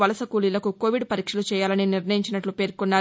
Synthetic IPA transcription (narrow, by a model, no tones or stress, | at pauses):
ʋɐlɐsɐkuːlilɐkuko̞ːʋiɖpɐɾiːkʂɐlut͡ʃɛːjaːlɐniniɾnɐjiɲt͡ʃinɐʈlupe̞ːɾkunːaː